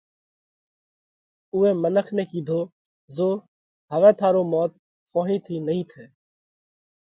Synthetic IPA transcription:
uːẽːmənəkʰneːkiːd̪ʱoː | zoː | ɦəʋɛ̃ːt̪ʰaːɾoːmɔːt̪̚ | foːɦĩːt̪ʰiːnəɦĩːt̪ʰeː

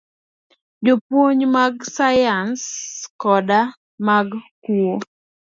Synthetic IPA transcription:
d͡ʒopwoɲmaɡsajanskɔda | maɡkuo

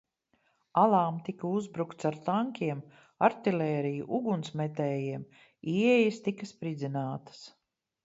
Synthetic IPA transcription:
alˠaːmt̪ikauzbɾukt̪saɾt̪aŋkʲiɛm | aɾt̪ilʲɛːɾijṵʔuɡunsmɛt̪ɛːjiɛm | iɛjɐst̪ikaspɾid̪zinaːt̪ə̥s

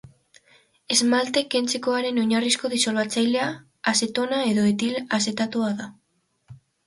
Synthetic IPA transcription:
e̞zmalt̪e̞ke̞nt͡se̞ko̞aɾe̞no̞ɲarisko̞ðiso̞lβat͡sajle̞aː | se̞t̪o̞nae̞ðo̞et̪ilase̞t̪at̪uaða

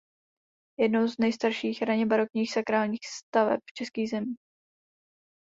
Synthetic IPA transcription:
jɛdnowznɛjst̪aɾʃiːxɾaɲɛbaɾo̞kɲiːxsakɾaːlɲiːxst̪avɛ̰p̚ft͡ʃɛskiːɣzɛmiː

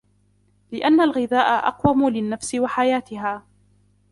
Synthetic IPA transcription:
lɪʔanːalɣɪðaːʔaʔɑ̰qwamʊlɪnːafsɪwaħajaːt̪ɪɦaː

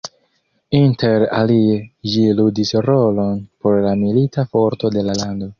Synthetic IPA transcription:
inte̞ɾa̰lieʒiludisɾo̞lo̞npo̞ɾlamilitafo̞ɾto̞de̞lalando̞

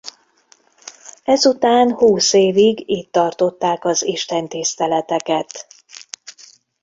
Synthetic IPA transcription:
ɛzut̪aːnhuːseːviɡiːt̪ːɒrt̪o̞t̪ːaːkɒziʃt̪ɛnt̪ist̪ɛlɛt̪ɛkɛt̪

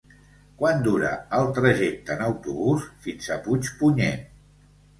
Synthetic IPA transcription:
kwand̪uɾə̰əlˠt̪ɾəʒɛk̚t̪ənəwt̪uβusfinzəput͡ʃpuɲɛ̰

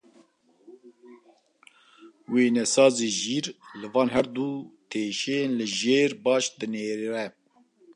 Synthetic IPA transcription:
weːnɛsɑːzeːʒiːɾlɨvɑːnɦɛɾd̪ut̪ʰeːʃenlɨʒeːɾbɑːʃd̪ɨneːɾiɾɛ

